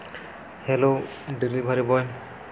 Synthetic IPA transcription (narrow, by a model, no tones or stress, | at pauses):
hɛlo | dilibʱaɹibɔj